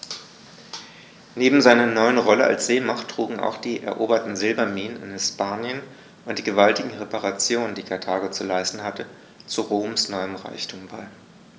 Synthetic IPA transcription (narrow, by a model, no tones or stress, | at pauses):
neːbm̩zaɪnɐnɔʏənʁɔləʔa̰lsz̥eːmaχtʁ̥uːɡŋ̩a̰ʊxd̥iːʔɛɐʔoːbɐtn̩zɪlbɐmiːnənɪ̰nhɪspaːnjən | ʔʊnt̚d̥iːɡəvaltɪɡŋ̩ʁepaʁat͡sjoːnəndiːkʰaɐtʰaːɡot͡sulaɪstn̩hatə | t͡suʁoːmsnɔʏəmʁa̰ɪçtʰuːmbaɪ